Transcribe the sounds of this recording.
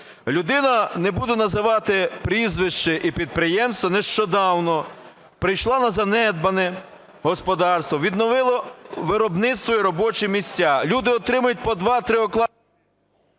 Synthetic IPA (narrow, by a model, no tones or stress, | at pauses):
lʲʊd̪ɪnɐnɛbud̪ɛnɐzɪʋɑt̪ɪpɾʲizʋɪʃt͡ʃɪʔipʲid̪̚pɾɪjɛmst̪ʋɔneʃt͡ʃɔd̪ɑwnɔ | pɾɪjʃlˠɑnɐzɐnɛd̪̚bɐnɛ | ɦɔspɔd̪ɑrst̪ʋɔʋʲid̪nɔʋɪlˠɔʋɪɾɔbnɪt̪st̪ʋɔjiɾɔbɔt͡ʃɪmʲisʲtʲːalʲud̪ɪɔt̪ɾɪmɐjʊt̚ʲpɔd̪ʋɑt̪ɾɪɔklˠɑ